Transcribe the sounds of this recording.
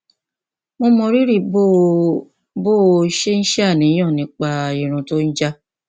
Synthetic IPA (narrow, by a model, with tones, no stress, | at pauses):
mo˧mɔ̃˧ɾi˦ɾi˦˨bo˦ | boː˦˨˧i˧˦ʃe˦n̩˦ʃa˦˨nĩ˨˦j̃ɔ̃˦˨nĩ˨˧˦k͡pa˧˨i˨ɾ̃ũ˨to˦n̩˦d͡ʒa˦